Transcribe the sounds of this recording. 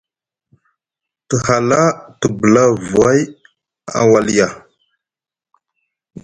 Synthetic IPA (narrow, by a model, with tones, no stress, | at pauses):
tə˨ha˨la˦tə˨bə˨la˦vu˨a˦j | a̰˨wa˨li˦ja˨